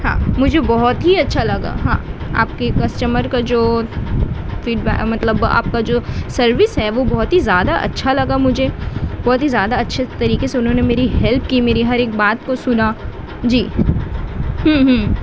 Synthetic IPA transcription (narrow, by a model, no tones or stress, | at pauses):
ɦã̰ːmʊd͡ʒʱebɔɦɔt̪ɦiɐtːʃʰalɐɡa̰ːɦã̰ːa̰ːp̚kekɐsʈəməɾkad͡ʒoː | fiːɖbɛ̰ːkmɐt̪ləba̰ːp̚kad͡ʒoːsɐɾʋɪsɦɛʋobɔɦɔt̪ɦizjaːd̪aʔɐ̰tːʃʰalɐɡamʊd͡ʒʱeb̥ɔɦt̪ɦizjaːd̪aɐtːʃʰet̪ɐɾiːkeseʊnɦõːnemeːɾiɦɛlp̚kiːmeːɾiɦɐɾeːk̚baːt̪kosʊnaː | d͡ʒiː | ɦə̃ːɦ